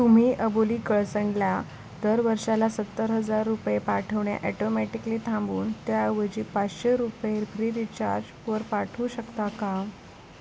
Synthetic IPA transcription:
t̪um̤iːʔəboliːkəɭsəŋɡlja | d̪əɾʋəɾɕalasət̪ːəɾɦəd͡zaɾːupjepaʈʰəʋɳja̰ʔɛʈomɛʈikliːt̪ʰãmbuːnt̪jaʋəd͡ʑiːpat͡sɕeɾupeɾfʰɾiːɾit͡ɕaɾd͡ʑ | ʋəɾpaʈʰuːɕəkt̪akam

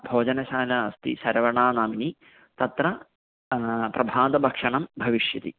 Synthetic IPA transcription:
bʱoːd͡ʑɐnɐɕaːlɐːst̪ḭsɐɾɐʋɐɳaːnaːmini | t̪ɐt̪ɾɐ | prʔɐbʱaːd̪ɐbʱɐkʂɐɳɐmbʱɐʋiʂjɐt̪ḭ

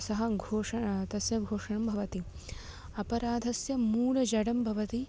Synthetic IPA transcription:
sɐɦɐɡʱoːʂɐt̪ɐsjɐɡʱoːʂɐɳɐmbʱɐʋɐt̪i | ɐpɐɾaːd̪ʱɐsjɐmuːlɐd͡ʒɐɽɐmbʱɐʋɐt̪i

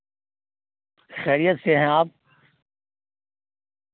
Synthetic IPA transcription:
xɛːɾijət̪seɦɛ̃aːp̚

